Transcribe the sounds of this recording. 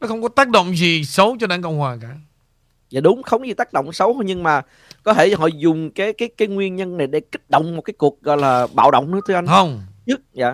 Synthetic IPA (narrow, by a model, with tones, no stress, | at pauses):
nɔ˨˦xə˧wŋ͡mkɔ˨˦t̪aː˦˥k̚ɗo̰˧˨wŋ͡mzi˨˩sə˨˦wt͡ɕɔ˧ɗa̰ː˧˩ŋkə̰˧˨ŋ͡mhwaː˨˩kaː˧˩ | zaː˨˩ɗʊ˨˦ŋ͡mxə˧wŋ͡mzi˨˩t̪aː˦˥k̚ɗə̰˧˨wŋ͡msə˨˦wt̪o˧jɲɨ˧ŋmaː˨˩ | kɔ˨˦t̪ʰe˧˩hɔ̰˧˨zʊ˨˩ŋ͡mkaː˨˦jkaː˨˦jkaː˨˦jŋwi˧ənɲə˧nːa˨˩jɗe˧˩ki˦˥t̚ɗə̰˧˨wŋ͡mmo˨˩t̚kaː˨˦jku˨˩ək̚ɣɔ̰˧˨jlaː˨˩ɓa̰ː˧˨wɗə̰˧˨wŋ͡mnɨ̰˧˥ə˦t̪ʰɨ˧ʔa˧jə˧wŋ͡mt͡ɕɨ˦˥k̚ja̰ː˧˨